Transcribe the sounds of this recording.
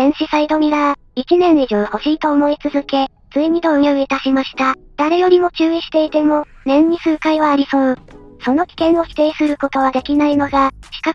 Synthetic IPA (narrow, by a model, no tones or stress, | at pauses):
d̪ẽ̞ɰ̃ɕisaid̪o̞mʲiɾa | it͡ɕinẽ̞ɰ̃iʑoːho̞ɕiːt̪o̞ːmo̞it͡sɨzɨke̞ | t͡sɨiɲ̟id̪o̞ɯ̟joːit̪aɕimaɕi̥t̪a | d̪̥aɾe̞jo̞ɾʲimo̞t͡ɕɨːiɕi̥t̪e̞it̪e̞mo̞ | nẽ̞ɲ̟ɲːisɨɯ̟kaiβaːɾʲiso̞ɯso̞no̞kʲi̥kẽ̞ɰ̃o̞çʲi̥t̪e̞isɨɾɯ̟ko̞t̪o̞βad̪e̞kʲinaino̞ɡaɕi̥ka